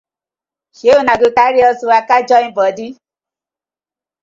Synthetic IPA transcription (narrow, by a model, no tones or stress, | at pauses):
ʃeonaɡokaɾiɔsuakad͡ʒɔĩbɔdi